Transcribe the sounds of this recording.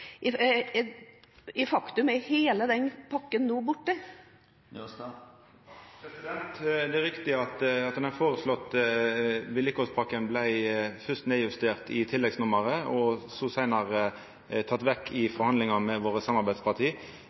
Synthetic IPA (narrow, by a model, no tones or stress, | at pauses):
ɪ | ɪfɑkt̪ʉmɛheːləd̪ɛnpʰɑkːənːuːbʊʈːə | pʰɾɛsɪd̪ɛnt̪d̪ɛæɾʁɪkt̪ɪɑt̪ɑt̪̚d̪ɛnɑfoːɾəslɔt̪ː | ʋɪlɪkɔspʰɑkːənblæɪfʏst̪neːjʉst̪eːʁt̪ɪt̪ʰɪlːɛɡsnʊməɾəɔsɔsæɪnɑɾə | t̪ʰɑt̪ːʋɛkʰːɪfɔɾhɑnd̪lɪŋɑmɛʋoːɾəsɑmɑɾbæɪd̪spʰɑt̪ʰiː